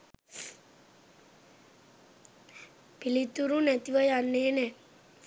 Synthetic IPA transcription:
pilit̪uɾunæt̪iʋəjanːeːnɛ

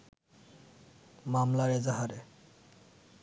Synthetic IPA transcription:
mamlaɹezaɦaɾe

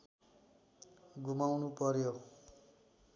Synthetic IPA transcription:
ɡumawnupʌɾjo

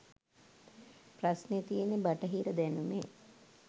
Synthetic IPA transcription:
prɐsnet̪ijenebɐʈɐɦiːɾəd̪ɛnume

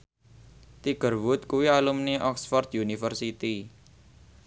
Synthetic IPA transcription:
t̪iɡ̥ərwʊt̪̚kuwialumneʔɔksfɔrd̪junifərsit̪i

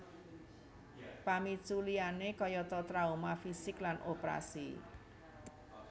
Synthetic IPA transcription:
pamit͡ʃulianekɔjɔt̪ɔt̪ɾaumafisɪklanʔopɾa̰sḭ

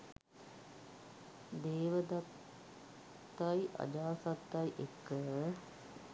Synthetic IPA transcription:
d̪eːʋəd̪ɐt̪ | ɐjʔɐ̰d͡ʒaːsɐt̪ːɐjʔekːə

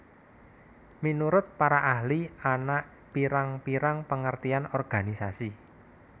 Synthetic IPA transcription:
minuɾʊt̪̚paɾaʔahlianaʔ | piɾaŋpiɾaŋpəŋərt̪ianɔrɡ̥a̤nisasi

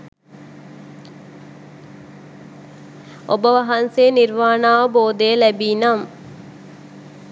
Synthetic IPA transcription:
ʔobəʋɐɦɐnseːniɾʋaːnaːʋəboːd̪ejlæbiːnam

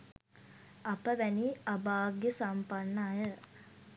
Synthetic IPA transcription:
apəʋæniabaːɡesampanːəːjə

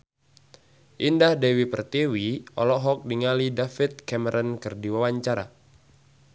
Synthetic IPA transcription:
ʔindahdɛwipərt̪iwiɔlɔɦɔk̚diŋalidafit̪̚kɛmɛɾʔɔnkɨrdiwawaɲt͡ʃaɾa̰

